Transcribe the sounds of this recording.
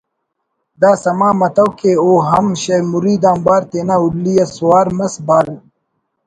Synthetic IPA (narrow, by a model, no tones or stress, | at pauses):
d̪aːsɐmaːmɐt̪ɐwkeoːɦɐmɕɐjmuɾiːd̪aːmbaːɾt̪eːnaullːijɐsuwaːɾmɐsbaːl